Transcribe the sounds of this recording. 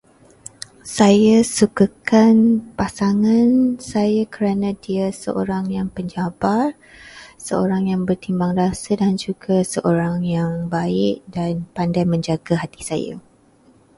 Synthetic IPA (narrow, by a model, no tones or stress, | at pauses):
sajasukakanpasaŋãnsajakəɾanãdiasə̰ʔo̰ɾaŋjaŋpəɲd͡ʒabar | səoɾaŋjaŋbərt̪imbaŋrasədand͡ʒuɡasəʔoɾaŋjaŋbaɪʔdanpandajmə̃ɲd͡ʒaɡaɦat̪i̥sa̰ja̰